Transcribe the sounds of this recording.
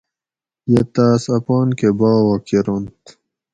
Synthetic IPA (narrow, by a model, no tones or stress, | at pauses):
jet̪aːsɐpɑːnkebaːwɐkiɾont̪